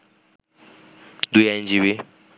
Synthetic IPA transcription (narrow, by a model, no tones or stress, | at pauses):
dujan̩d͡ʒiβi